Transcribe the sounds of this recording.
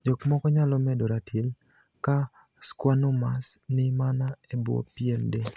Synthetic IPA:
d͡ʒɔkmɔkɔɲalɔmɛdɔɾatʰil | ka | skwanʊmasnɪmanaebwɔ̰piende

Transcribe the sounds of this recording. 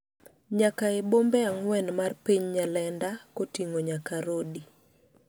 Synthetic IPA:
ɲakaɪbombɛaŋwɛnmarpiɲɲalɛndakotiŋoɲakaɾodi

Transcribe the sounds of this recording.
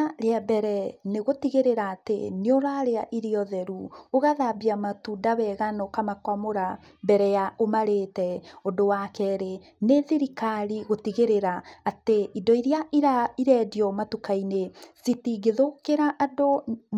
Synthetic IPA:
ɾeabɛɾɛneɣotiɣeɾeɾaːtḛneoɾaɾeaʔiɾeɔðɛɾuoɣaðabiamatudaβɛɣanɔkamakwamoɾa | bɛɾɛjaʔomaɾetɛodowakɛɾe | neðiɾikaɾiɣotiɣeɾeɾaːteʔidɔiɾjaiɾaiɾɛdiɔmatukainesitiɡeðokeɾaʔado

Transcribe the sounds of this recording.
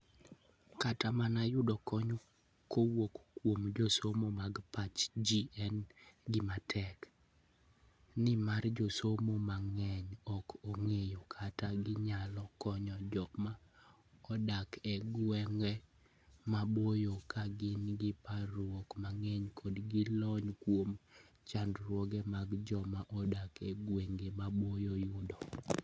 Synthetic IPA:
katamanajʊdɔkɔɲɔ | kʰowokkwomd͡ʒosomomaɡpat͡ʃd͡ʒiɛnɡɪmatʰɛk | nɪmard͡ʒosomomaŋɛɲɔkoŋejokʰataɡɪɲalɔkɔɲɔd͡ʒɔma | ɔdakʰɛɡwɛŋɡɛ | mabojokʰaɡɪnɡɪpaɾwokmaŋɛɲkʰɔdɡilɔɲkwom | t͡ʃandɾwɔɡɛmaɡd͡ʒɔmaʔɔdakʰɛɡweŋɡemabojojʊdɔ

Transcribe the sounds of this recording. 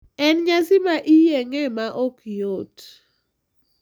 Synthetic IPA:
ɛnɲasɪmaʔijɛŋɛmaʔokijot

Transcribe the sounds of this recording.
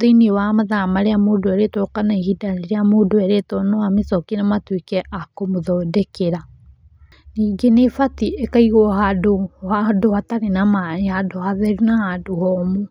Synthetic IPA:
ðeiniwamaðamaɾeamoːdoɛɾetwɔkanaihidaneɾeamoːdoɛɾetɔnɔamesɔkinamatwekɛʔakomoðɔdɛkeɾa | niːŋɡenefatiʔekaiɣɔɦadohadohataɾenamahadohaðɛɾunahadohɔmu

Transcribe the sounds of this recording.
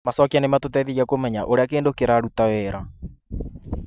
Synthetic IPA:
masɔkianematotɛðiɾiakomɛɲaʔoɾeakeːndokeɾaɾutawɛɾa

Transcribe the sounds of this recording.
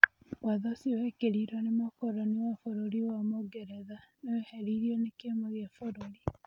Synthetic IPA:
waðosiwekeɾiɾwanemakoɾoniwafoɾoɾiwamoɡeɾeðanoeheɾiɾionekemoɣjafoɾoɾi

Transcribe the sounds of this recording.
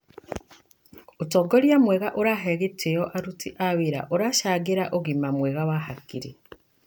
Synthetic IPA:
otɔːɡoɾjamwɛɣaʔoɾaɦɛɣetʰejɔʔaɾutiʔaweɾa̰ʔoɾaʃaːɡeɾaʔoɣimamwɛɣawahakiɾi

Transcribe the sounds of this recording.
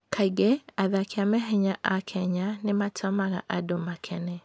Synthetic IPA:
kʰaiɡɛaðakiamɛɦɛɲaʔakʰɛɲanematʰɔmaɣa̰ʔadomakʰɛnɛ

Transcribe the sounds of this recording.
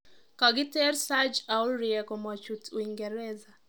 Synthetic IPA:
kaɡitɛɾsad͡ʒauɾiɛkɔmat͡ʃutuiŋɡɛɾɛza

